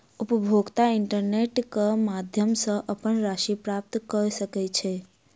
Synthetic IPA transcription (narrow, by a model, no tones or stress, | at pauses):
upəbʱoɡt̪aɪɳʈəɾneʈkəmad̪ʱjəmsə̃ʔəpənɾaʃipɾap̚t̪kəɾsəkɛt͡ʃʰe